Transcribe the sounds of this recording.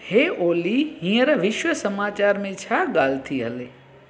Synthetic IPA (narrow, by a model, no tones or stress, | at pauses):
heːʔoːliɦĩːəɾʋɪʃwəsəmaːt͡ɕaːɾmẽt͡ɕʰaːɠaːlt̪ʰiɦə̰leː